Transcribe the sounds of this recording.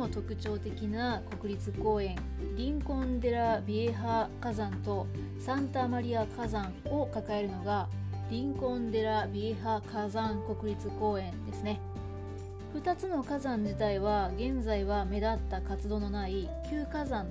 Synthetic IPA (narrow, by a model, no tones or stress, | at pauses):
ot̪o̞kɯ̟t͡ɕo̞ːt̪e̞kʲinako̞kɯ̟ɾʲit͡sɨko̞ːẽ̞ŋ | ɾʲĩŋkõ̞nd̪e̞ɾabʲieɦakazãnt̪o̞ | sãnt̪amaɾʲiakazãŋo̞kakae̞ɾɯ̟no̞ɡaɾʲĩŋkõ̞nd̪e̞ɾabʲieɦakazãŋko̞kɯ̟ɾʲit͡sɨko̞ːẽ̞nd̪e̞sɨne̞ | ɸɯ̟t̪at͡sɨno̞kazãɲ̟d͡ʑit̪aiβaɡẽ̞nzaiβame̞d̪at̪ːakat͡sɨd̪o̞ːno̞naikʲɨːkazãn